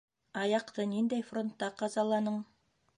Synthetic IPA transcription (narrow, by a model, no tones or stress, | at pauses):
ɑjɑqt̪ɤnind̪æjfro̞nt̪ːɑqɑzɑlˠɑnɤɴ